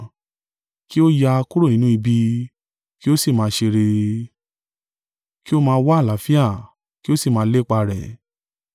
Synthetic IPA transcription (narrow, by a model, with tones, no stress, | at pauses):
ki˦o˦ja˧ku˦ɾo˦˨nĩ˨˦nũ˦i˧bi˧ | ki˦o˦si˦˨mãː˨˧ʃe˧ɾe˧ | ki˦o˦mãː˧˦˧wa˦˨la˨˦fi˦a˦˨ | ki˦o˦si˦˨mãː˧˦le˦k͡pa˧ɾɛ̰˨